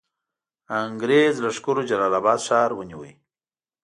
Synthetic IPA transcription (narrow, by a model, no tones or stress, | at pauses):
aŋɡɾezləʂkʊɾod͡ʒalɑlabɑːd̪ʃɑːɾwəniwə̰j